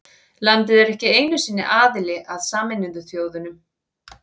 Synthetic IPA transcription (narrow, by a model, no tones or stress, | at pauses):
lant̪ɪðɛɾɛhcɪeːjnʏsiːnːɪ̰ʔaːðɪlɪʔaðsaːmɪnːɪnðʏθjoːwðʏnʏm